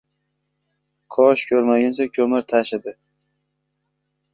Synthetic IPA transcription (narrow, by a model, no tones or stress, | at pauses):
kʰɒʃkʲʰɵɾmaɡʲansakʲʰɵmɪɾt̪ʰaʃɪd̪ɪ